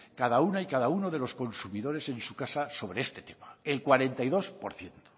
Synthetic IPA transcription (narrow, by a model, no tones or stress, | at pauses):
kaðaunaikaðaunoð̞e̞lo̞sko̞nsumiðo̞ɾe̞sẽ̞nsukasaso̞β̞ɾeest̪et̪emaelkwaɾe̞nt̪ajðo̞spo̰ɾθje̞nt̪o̥